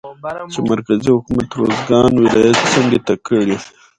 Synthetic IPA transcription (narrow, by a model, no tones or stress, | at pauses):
t͡ʃemaɾkazihʊkumat̪ɾozɡɑnwɪlɑjat̪t͡saŋɡet̪akəɽi